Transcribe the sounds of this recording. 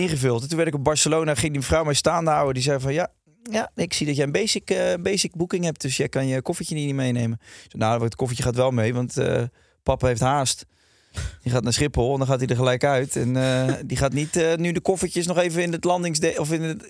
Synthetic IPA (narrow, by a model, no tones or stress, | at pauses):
ɪ̃nχəvʏlˠttunʋɛɹɾɪkɔb̚bɑɹsəlownaχɪŋdiməfrɔwmɛjstaːndəawədizɛjvɔnja | jaɪksidɔtjɛjənbejsɪkbejsɪk̚bukɪŋɦɛp̚td̥øsjɛjkɑnjəkɔfəcənitnimejnejmənsonaətkɔfəcəχaːtʋɛlˠmejʋɑntə̰ | pɑpaɦejftɦaːst | diχaːtnaːsχɪpɔlˠɔndɔ̃nχaːtidəɹχəlɛjkœɥtɛndiχaːtnitənydəkɔfəcəsnɔχejvəɪnətlɑndɪŋsdeɔfɪnə